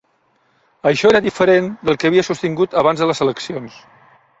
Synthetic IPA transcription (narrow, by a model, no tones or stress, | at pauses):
əʃɔeɾəðifəɾend̪əlˠkəəβiəsust̪iŋɡut̪əβ̞anzðələzələksions